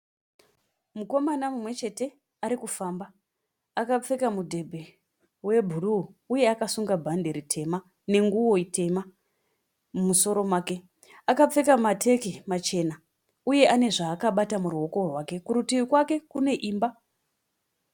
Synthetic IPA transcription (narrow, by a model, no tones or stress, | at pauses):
muko̞manamumwe̞t͡ʃe̞te̞ | aɾikufaːmba | akap͡fekamudʱe̞bʱe̞ | we̞bʱuruːje̞akasuŋɡabʱande̞ɾitʰe̞ma | ne̞ŋɡuwo̞ite̞ma | mumuso̞ɾo̞mwaːke̞ | akap͡fe̞kamatʰe̞kimat͡ʃe̞na | uje̞ʔane̞ʐaːkaɓatamuruo̞ko̞rwake̞kuɾutiwikwake̞kune̞ʔiːmba